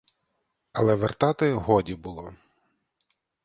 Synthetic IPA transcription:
ɐlˠɛʋert̪ɑt̪ɪɦɔdʲibʊlˠɔ

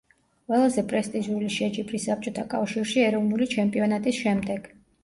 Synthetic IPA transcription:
wɛlˠazɛpʼɾɛst̪ʼizuliʃɛd͡ʒʼipʰʼɾisːap̚t͡ʃʼɔt̪ʰakʼafʃiɾʃiɛɾɔvnulit͡ʃʰɛmpʼiɔnat̪ʼisʃɛmd̪ɛɡ̥

